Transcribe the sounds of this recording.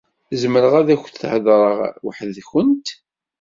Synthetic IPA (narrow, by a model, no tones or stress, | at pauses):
zməɾəʁæðæçθθʕəðɾˤəʁwħəðçənt̪